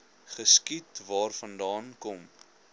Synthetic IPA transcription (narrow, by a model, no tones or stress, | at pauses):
χəskitvɑːrfɐndɑːnkɔm